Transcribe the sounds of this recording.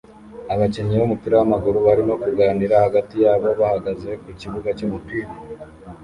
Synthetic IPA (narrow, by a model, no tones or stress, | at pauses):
aβaceɲiβomupiːɾawamaɡuɾuβaɾimo̞kuɡaːniɾahaɡatijaːβo̞βahaɡaze̞kuciβuɡacomupiːɾa